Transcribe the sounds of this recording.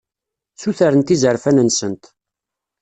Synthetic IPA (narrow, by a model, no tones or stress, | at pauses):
suθaɾənt̪izəɾfænənsənt̪